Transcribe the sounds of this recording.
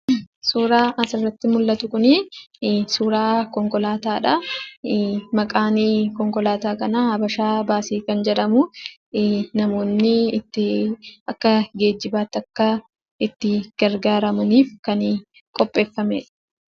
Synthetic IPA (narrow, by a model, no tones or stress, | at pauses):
suːɾaːʔɐsɪrːɐt̪ːɪmʊlːɐt̪ʊkʊniː | suːɾaːkɔŋkɔlaːt̪aːᶑa | mɐkʼaːnɪkɔŋkɔlaːt̪aːkɐnaːhɐbɐʃaːbaːsiːkɐnd͡ʒɛᶑɐmʊ | nɐmo̞ːnːɪɪt̪ːɪɐkːɐɡe̞ːd͡ʒːɪbaːt̪ːɐkːɐ | ɪt̪ːɪɡ̥ɐɾɡaːɾɐmɐniːfkɐnː | kʼɔpʼːe̞ːfːɐmeːᶑɐ̥